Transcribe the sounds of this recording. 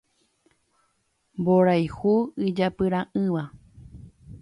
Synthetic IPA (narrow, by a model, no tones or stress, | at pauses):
mboɾajhuɨd͡ʒapɨɾãʔɨ̃ʋa